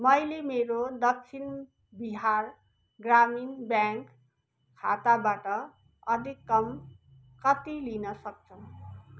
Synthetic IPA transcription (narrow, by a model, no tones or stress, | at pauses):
mʌjlemeɾod̪ʌk̚t͡sʰin | biɦar | ɡraminbjaŋk | kʰa̰t̪abaʈʌ | ʌd̪ʱikːʌm | kʌt̪ilinʌsʌk̚t͡sʰʌ